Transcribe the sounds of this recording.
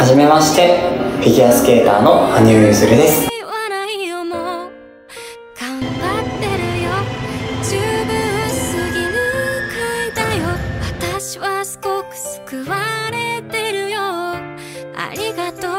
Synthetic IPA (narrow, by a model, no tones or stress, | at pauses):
haʑime̞maɕi̥t̪e̞pʲiɡʲiasɨ̥ke̞ːt̪aːno̞aɲ̟ɨːzɨɾɯ̟d̪e̞sɨ̥βanaijomo | ɡ̥ãmbat̪ːe̞ɾɯ̟jod͡ʑɨːbɯ̃ɰosɨɡʲinɯkʰɯd̪ajoβat̪aɕiβasɨ̥ko̞kɯ̥sɨ̥kɯβaɾe̞t̪e̞ɾɯ̟jo | a̰ɾʲiɡat̪o